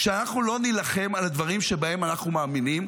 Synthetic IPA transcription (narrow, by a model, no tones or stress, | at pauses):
ʃeanaχnulo̞nilaχe̞malad̪vaʁimʃe̞bae̞manaχnumaːminim